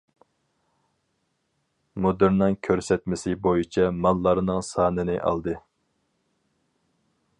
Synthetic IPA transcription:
mod̪ɨɾnɨŋkʲʰøɾsɛt̪mɪsɪbojit͡ʃʰɛmɑlˠːɑɾnɨŋsɑːnɨnɨʔɑ̰lˠd̪ɨ

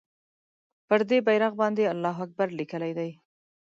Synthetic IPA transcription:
pəɾd̪ebajɾaɣbɑnd̪ealːɑɦak̚baɾlikəlajd̪aj

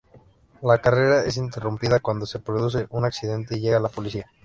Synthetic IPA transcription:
lakare̞ɾae̞s̬int̪̬e̞rumpiðakwand̪o̞se̞pɾo̞ðus̬e̞ʔunaksiðe̞nt̪e̞iʝe̞ɣaːlapo̞lisia

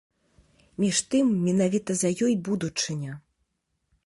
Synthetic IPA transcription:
mʲiʂt̪ɨmːʲinavʲit̪ɐzɐjɔjbud̪ut͡ʂɨnʲɐ

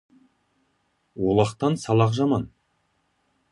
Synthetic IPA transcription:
wolˠɑqt̪ɑnsɑlˠɑqʒɑmɑn

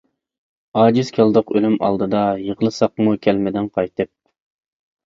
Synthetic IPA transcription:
ɑːd͡ʒiz̥kʲʰɛlˠd̪əqølymɑ̰lˠd̪ɨd̪ɑjəʁəlˠɨsɑqmukʲʰɛlmɪd̪ɪnqʰɑjt̪ɨp̚

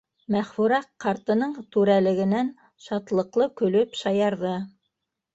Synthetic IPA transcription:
mæχfʉɾæqːɑɾt̪ɤ̆nɤɴt̪ʉɾælɘ̆ɡɘ̆næn | ʃɑt̪lˠɤ̆qlˠɤkɵ̆lɵpʃɑjɑɾðɤ

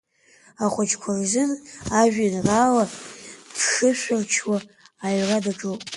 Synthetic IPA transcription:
aχʷʊt͡ʃʰkʷʰarzɨnaʒʷᶣinraːladʰʂɨʃʷart͡ʃʰwaːjradaʈ͡ʂʼupʼ

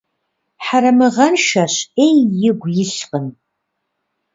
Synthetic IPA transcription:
ħaɾɐmɨʁɐnʃɐɕejːɪɡʷjɪɬqən

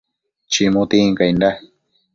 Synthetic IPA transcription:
t͡ʃimũt̪iŋkajnda

